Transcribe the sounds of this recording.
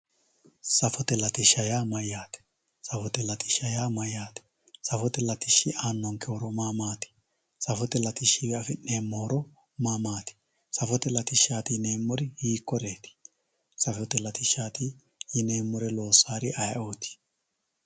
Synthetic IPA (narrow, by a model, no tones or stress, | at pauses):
sɐfɔt̪ɛlɐt̪ɪʃɐjaːmɐjːaːt̪ɛ̥ | sɐfɔt̪ɛlɐt̪ʰɪ̥ʃɐjaːmɐjːaːt̪ɛ̥ | sɐfɔt̪ɛlɐt̪ɪʃːɪʔaːnːɐŋkɛɔɾɔmaːmaːt̪ɪ̥ | sɐfɔt̪ɛlɐt̪ɪʃːɪbɛɐfɪnːe̞ːmːoːɾɔ | maːmaːt̪ɪ̥ | sɐfɔt̪ɛlɐt̪ɪʃːaːt̪ine̞ːmːɔɾɪhiːkːɔɾe̞ːt̪ɪ̥ | sɐfɔt̪ɛlɐt̪ɪʃːaːt̪i | jɪne̞ːmːʊɾɛlo̞ːsːaːɾɪʔɐjɐ̰ʔo̞ːt̪ɪ̥